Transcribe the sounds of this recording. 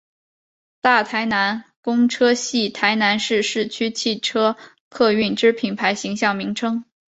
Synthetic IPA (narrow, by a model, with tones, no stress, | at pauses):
t̪a˥˩t̪ʰa˧˥ɪna˧˥nkʊ˥ŋʈ͡ʂʰɤ˥ɕi˥˩t̪ʰa˧˥ɪna˧˥nʂɻ̩˥˧ʂɻ̩˥˩t͡ɕʰy˥t͡ɕʰi˥˩ʈ͡ʂʰɤ˥ | kʰɤ˥˧y˥˩nʈ͡ʂɻ̩˥pʰi˨˩npʰa˧˥ɪɕi˧˥ŋɕjɑ˥˩ŋmi˧˥ŋʈ͡ʂʰɤ˥ŋ